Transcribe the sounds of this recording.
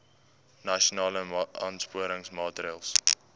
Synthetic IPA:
naʃonɑːləʔɑ̰ːnspuəɾəŋsmɑːtɾiəlˠs

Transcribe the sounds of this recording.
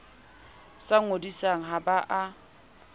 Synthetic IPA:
saŋ̩odisaŋ̩ɦabaʔa

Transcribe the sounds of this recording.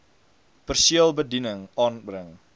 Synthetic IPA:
pərsiəlˠbədinəŋɑnbrəŋ

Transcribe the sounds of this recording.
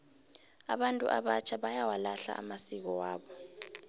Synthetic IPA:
a̰ɓantʼṵʔaɓat͡ʃʰaɓajawalaɬa̰ʔamasik̬ɔwaːɓɔ

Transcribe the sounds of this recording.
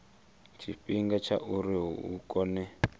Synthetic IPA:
t͡ʃʰiɸiŋɡat͡ʃʰa̰ʔuɾiɦṵkʼɔnɛ

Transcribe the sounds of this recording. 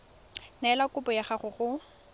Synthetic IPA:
naɛlakʊpɔjaχaχʊχʊ

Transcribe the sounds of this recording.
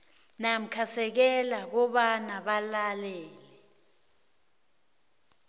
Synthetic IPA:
nam̩kʰasɛk̬ɛlak̬ɔɓanaɓalalɛːlɛ

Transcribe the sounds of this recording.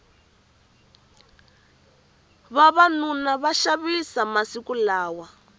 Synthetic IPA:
βaβanunaβaʃaβisamasikulaːwa

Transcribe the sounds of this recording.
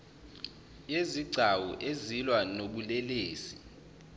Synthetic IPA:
jeziɡ͡ǀʱawuʔezilwanoɓulɛleːsi

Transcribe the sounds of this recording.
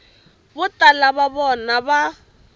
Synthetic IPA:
bʊtʼalaβaβɔnaβa

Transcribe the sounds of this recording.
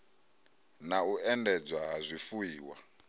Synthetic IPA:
nauɛndɛd͡zwaɦazʷifujiːwa̰

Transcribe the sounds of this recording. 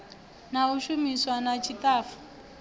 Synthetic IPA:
nauʃumiswanat͡ʃʰitaːfu̥

